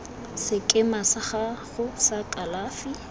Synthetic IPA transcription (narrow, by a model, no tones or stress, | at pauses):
sɪkʼɪmasaχaɣʊsakʼalaːfi